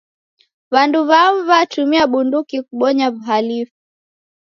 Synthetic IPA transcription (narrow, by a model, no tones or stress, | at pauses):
vanduβaβatumiaɓundukikuɓɔɲavuɦalifu